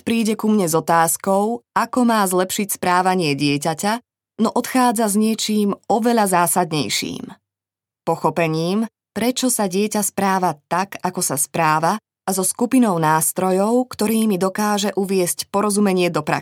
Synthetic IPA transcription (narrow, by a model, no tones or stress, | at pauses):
pɾiːɟɛkumɲɛzɔt̪aːskɔʊakɔmaːzlɛpʃicspɾaːʋaɲɪɛɟɪɛcaca | nɔʔɔt̪xaːd͡zazɲɪɛt͡ʃiːmɔʋɛʎazaːsad̪ɲɛ̰jʃḭːm | pɔxɔpɛɲiːm | pɾɛt͡ʃɔsaɟɪɛcaspɾaːʋat̪akakɔsaspɾaːʋa | azɔskupinɔʊnaːst̪ɾɔjɔʊkt̪ɔɾiːmid̪ɔkaːʒɛʔuʋɪɛscpɔɾɔzumɛɲɪɛd̪ɔpɾa̰